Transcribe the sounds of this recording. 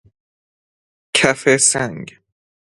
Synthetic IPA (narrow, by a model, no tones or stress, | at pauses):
kʰæfesæŋɡ